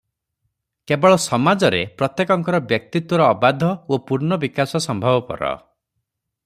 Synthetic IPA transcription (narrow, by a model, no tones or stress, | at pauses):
kebɔɭɔsɔmad͡ʒɔɾepɾɔt̪jekɔŋkɔɾɔbjɔk̚t̪it̪wɔɾɔːbad̪ʱɔopuɾnɔbikasɔsɔmbʱɔbɔpɔ̰ɾɔ̰